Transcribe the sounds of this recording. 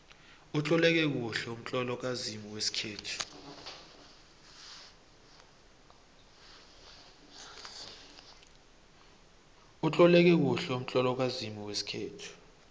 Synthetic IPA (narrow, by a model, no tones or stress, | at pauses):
ut͡ɬʼɔlɛk̬ɛk̬uɬɛum̩t͡ɬʼɔlɔk̬azimiwesi̥kʰeːtʰu̥ | ut͡ɬʼɔlɛk̬ɛk̬uɬɛum̩t͡ɬʼɔlɔk̬azimiwesi̥kʰeːtʰu̥